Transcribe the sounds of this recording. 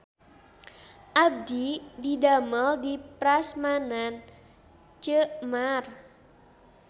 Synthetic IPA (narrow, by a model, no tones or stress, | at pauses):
ʔab̚dididaməldipɾasmanan | t͡ʃəʔmar